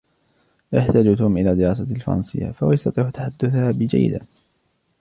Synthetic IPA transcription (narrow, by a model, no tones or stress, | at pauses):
ʔajaħt̪aːd͡ʒut̪uːmʔɪlaːd̪ɪjɾɑːs̬ˤɑlfɑ̰ɾˤɑ̰nsɨ̰jːa̰fawjɑst̪ɑt̪ˤiːʕt̪ːaħad̪ːʊθhaːbɪd͡ʒa̰jːɪ̰d̪a̰